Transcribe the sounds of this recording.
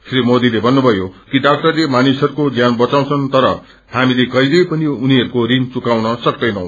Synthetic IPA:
sʰrimod̪ilebʱʌnːubʱʌjokiɖak̚ʈʌrlemanisɦʌɾukod͡zjanbʌt͡saw̃t͡sʰʌnt̪ʌɾʌ | hamilekʌilʌjpʌniuniɦʌɾukoɾiŋt͡sukawnʌsʌk̚d̪ʌjnʌw̃

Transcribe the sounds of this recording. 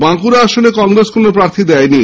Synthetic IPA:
baŋkuɾaaʃonekɔŋɾeskonopɾaɾt̪ʰid̪ɛjni

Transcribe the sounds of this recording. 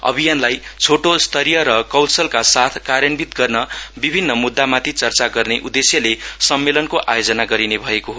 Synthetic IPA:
ʌ̰bʱijanlajt͡sʰoʈost̪ʰʌɾijʌɾʌkʌwlsʌlkasat̪ʰkaɾjʌnbit̪ɡʌrnʌbibʱinːʌmud̪ːamat̪ʰit͡sʌrt͡saɡʌrneʔud̪esjʌlesʌmːelʌnkoʔajod͡zʌnaɡʌɾinebʱʌekoɦo

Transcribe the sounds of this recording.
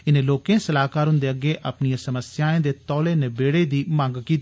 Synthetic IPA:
ɪnẽːloːkẽːsəlaːkaːɾɦʊnd̪eːəɡeːʔəpnijãsəməsjaːẽːd̪eːt̪ɔːleːnebeːɽeːd̪iːmãːŋɡkiːt̪

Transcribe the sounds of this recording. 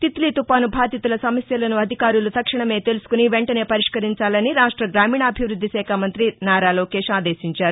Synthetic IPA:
t̪it̪liːt̪upaːnubʱaːd̪jɐt̪ulɐsɐmɐsjɐlɐnuɐd̪ʱikaːɾulut̪ɐkʂiɳɐme̞ːt̪e̞lusu̥kuniʋeɳʈɐne̞ːpɐɾiʂkɐɾiɲt͡ʃaːlɐniɾaːʂʈɾɐɡɾaːmiːɳɐɐbʱiʋɾud̪ʱːisɛːkʰaːmɐnt̪ɾinaːɾaːlo̞ːkɛːʂaːd̪eːʃiɲt͡ʃaːɾu

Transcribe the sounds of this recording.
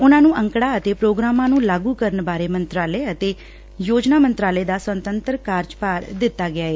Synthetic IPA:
ʊnãːnũːʔə̃ŋkɽaːət̪eːpɾoːɡɾaːmãːnũːlaːɡuːkəɾənbaːɾeːmənt̪ɾaːleːət̪eː | joːd͡ʒnaːmənt̪ɾaːleːd̪aːsənt̪ənt̪əɾkaːɾd͡ʒpaːɾd̪ɪt̪ːaːɡɪaːeː

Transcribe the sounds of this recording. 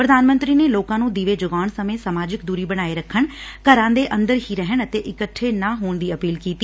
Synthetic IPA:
pɾəd̪aːnmə̃nt̪ɾiːneːloːkãːnũːd̪iʋeːd͡ʒʊɡaːɳsəmẽːsəmaːd͡ʒɪkd̪uːɾiːbəɽ̃aːeːɾəkʰːəɳkəɾãːd̪eːʔə̃nd̪əɾɦiːɾɛɦəɳət̪eːʔɪkəʈʰːeːnaːɦoːɳd̪iːəpiːlkiːt̪iː

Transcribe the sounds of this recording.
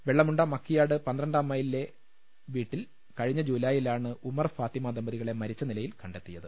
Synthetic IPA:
ʋeɭːɐmuɳɖaːmɐkʰːijaːɽɨpɐnd̪rɐɳɖaːmːɐːjilːe̞ | ʋiːʈːil | kɐɻiɲːɐd͡ʑuːlaːjilaːɳɨʔumɐrfaːt̪imaːd̪ɐmbɐðiɣɐɭe̞mɐɾit͡ɕːɐnilɐjilkɐɳɖe̞t̪ːijɐðɨ

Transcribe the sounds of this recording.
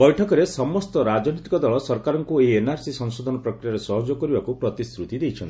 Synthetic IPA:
bɔjʈʰɔkɔɾesɔmɔst̪ɔɾad͡ʒɔnit̪i̥kɔd̪ɔɭɔsɔɾkaɾɔŋkueenaɾsisɔŋsod̪ʱɔnɔpɾɔkɾijaɾesɔɦɔd͡ʒɔkɔɾibakupɾɔt̪ist̪ɾut̪id̪ejt͡ʃʰɔnt̪i

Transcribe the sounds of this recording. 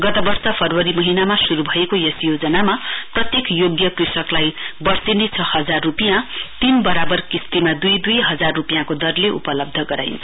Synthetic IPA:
ɡʌt̪ʌbʌrsʌpʰʌrwʌɾimʌɦinamasuɾubʱʌekojʌsjod͡zʌnamaprʌt̪jekjoɡjʌkrisʌklajbʌrsinit͡sʰʌhʌd͡zarːupijãt̪inbʌɾabʌrkist̪imad̪ujd̪ujɦʌd͡zarːupijãkod̪ʌrleʔṵpʌlʌb̚d̪ʱʌɡʌɾa̰jnt͡sʰʌ

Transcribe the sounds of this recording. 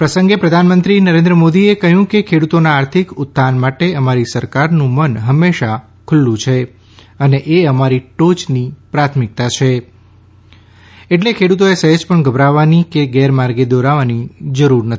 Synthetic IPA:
pɾəsə̃ŋɡepɾəd̪ʱanmənt̪ɾinəɾẽnd̪ɾəmod̪iekəɦjũkekʰeɽut̪onaːɾt̪ʰikʊt̪ːanmaʈeəmaɾisəɾkaɾnũmənɦəmːeʃa | kʰʊlːũt͡ʃʰe | əneʔeəmaɾiʈot͡ʃnipɾat̪ʰmɪk̚t̪at͡ʃʰe | eʈlekʰeɽut̪oesəɦed͡ʒpəɳɡəbɾaʋanikeɡɛɾmaɾɡed̪oɾaʋanid͡ʒəɾuɾnət̪

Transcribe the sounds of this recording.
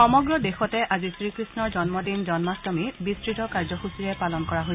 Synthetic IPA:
xɔmɔɡɹɔdexɔtɛʔazisɹikɹisnɔɹzɔnmɔdinzɔnmasdɔmibistɹitɔkaɹzɔxusiɹɛpalɔnkɔɹaɦojsɛ

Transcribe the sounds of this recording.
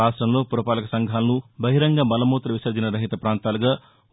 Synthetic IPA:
aːʂʈɾɐmlo̞ːpuɾɐpaːlɐkɐsɐŋɡʱaːlɐnubɐɦiɾɐŋɡɐmɐlɐmuːt̪ɾɐʋisɐːd͡ʒinɐɾɐɦit̪ɐpɾaːnt̪aːlɐɡaː

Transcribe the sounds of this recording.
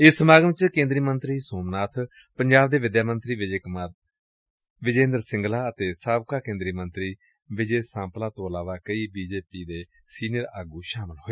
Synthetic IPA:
ɪsmaːɡəmt͡ʃkẽːnd̪ɾiːmənt̪ɾiːsoːmnaːt̪ʰ | pəɲd͡ʒaːbd̪eːʋɪd̪jaːmənt̪ɾiː | ʋɪd͡ʒẽːnd̪əɾsɪ̃ŋɡlaːət̪eːsaːbkaːkẽːnd̪ɾiːmənt̪ɾiː | ʋɪd͡ʒeːsãːmplãːt̪õːəlaːʋaːkəiːbiːd͡ʒeːpiːd̪eː | siːnijəɾaːɡuːʃaːməlɦoeː

